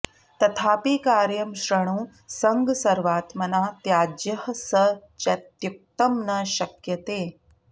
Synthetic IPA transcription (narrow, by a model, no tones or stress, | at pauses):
t̪ɐt̪ʰaːpiːkaːɾjɐmɕɾɐɳ̃ũː | sɐŋɡsɐɾʋaːt̪mɐnaːt̪jaːd͡ʒjɐhəsɐt͡ʃɐt̪juk̚t̪ɐmnɐɕɐkjɐt̪eː